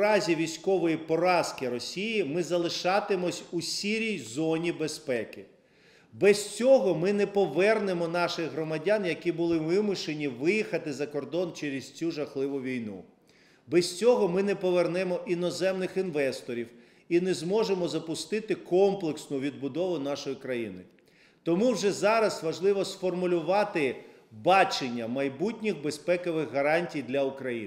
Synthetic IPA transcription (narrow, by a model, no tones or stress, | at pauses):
ɾɑzʲiʋʲijsʲkɔʋɔjipɔɾɑskɪɾɔsʲijimɪzɐlˠɪʃɑt̪ɪmɔsʲusʲiɾʲijzɔnʲibespɛkɪ | bɛst͡sʲɔɦɔmɪnɛpɔʋɛrnemɔnɑʃɪɣɦɾɔmɐdʲanjɐkʲibʊlˠɪʋɪmʊʃenʲiʋɪjixɐt̪ɪzɐkɔrd̪ɔnt͡ʃɛɾʲɪst͡sʲuʒɐxlˠɪʋʊʋʲijnṵ | bɛsʲt͡sʲɔɦɔmɪnɛpɔʋernɛmɔʔinɔzɛmnɪxinʋɛst̪ɔɾʲiw | inɛzmɔʒemɔzɐpʊst̪ɪt̪ɪkɔmplˠeksnʊʋʲid̪̚bʊd̪ɔʋʊnɑʃɔjikɾɐjḭnɪ | t̪ɔmuwʒɛzɑɾɐsʋɐʒlˠɪʋɔsfɔrmʊlʲʊʋɑt̪ɪ | bɑt͡ʃenʲːɐmɐjbutʲnʲixbespɛkɔʋɪɣɦɐɾɑnʲtʲijd̪lʲɐʊkɾɐjḭ